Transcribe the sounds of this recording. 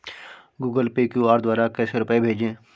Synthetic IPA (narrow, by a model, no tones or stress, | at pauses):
ɡuːɡəlpekjuaːɾd̪waːɾakɛːseɾʊpebʱeːd͡ʒẽː